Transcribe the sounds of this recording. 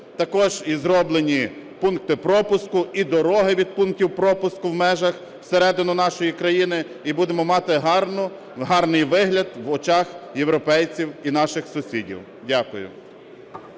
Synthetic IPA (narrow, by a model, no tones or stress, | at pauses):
t̪ɐkɔʒizɾɔblˠenʲi | punkt̪ɪpɾɔpʊskʊid̪ɔɾɔɦɪʋʲid̪̚punk̚tʲiwpɾɔpʊskʊwmɛʒɐx | w̥seɾɛd̪ɪnʊnɑʃɔjikɾɐjinɪ | ibud̪emɔmɑt̪ɪɦɑrnʊ | ɦɑrnɪjʋɪɦlʲɐd̪ʋɔt͡ʃɑxjewɾɔpɛjt͡sʲiwin̪ɑʃɪxsʊsʲidʲḭw | dʲakʊjʊ̰